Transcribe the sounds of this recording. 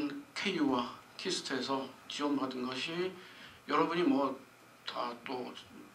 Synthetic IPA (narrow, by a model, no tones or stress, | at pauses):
nkʰejuwakʰisʰɯ̥tʰe̞sʰʌt͡ɕiwʌmbadɯnɡʌɕʰijʌɾʌbuɲimwʌ | tat͈o